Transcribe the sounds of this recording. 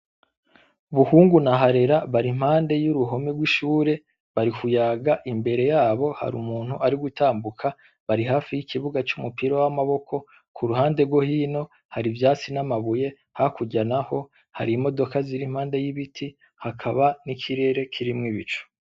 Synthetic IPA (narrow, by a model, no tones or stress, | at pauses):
βuhuːŋɡunaɦaɾe̞ɾaβaɾim̥haːnde̞juɾuɦo̞miɡwiʃuːɾe̞ | βaɾikujaːɡaʔimbe̞ɾe̞jaːβo̞ha̰ɾṵmuːn̥huʔaɾiɡutaːmbukʰa | βaɾiɦaːfijikʰiβuɡat͡ʃumupiɾowamaβo̞kʰo̞ | kʰuɾuhaːnde̞ɡo̞hiːno̞ | haɾivjaːt͡sinamaβuje̞ | hakuɟanaho̞ | ha̰ɾimo̞do̞kaziɾim̥haːnde̞jiβitʰi | hakʰaβanikʰiɾe̞ːɾe̞kʰiɾimŋiβit͡ʃo̥